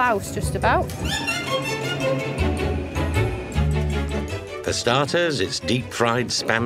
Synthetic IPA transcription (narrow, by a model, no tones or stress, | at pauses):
aʊsd͡ʒ̥ʌstəbaʊt | ðəstɑˑtʰəzɪtsd̥iˑp̚fɹaɪd̥spãm